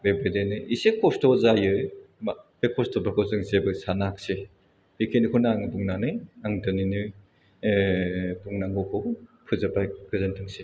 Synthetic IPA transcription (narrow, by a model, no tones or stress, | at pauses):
bebedenɯisekʰːɔstɔzajɯmbekʰɔstɔbakʰɔzɯŋzebɯsanakse | bikʰenɯkʰɔnaaŋduŋnanɯjaŋdɯninɯ | duŋnaŋɡɔkʰɔpʰɯzabajkʰɯzantʰɯŋse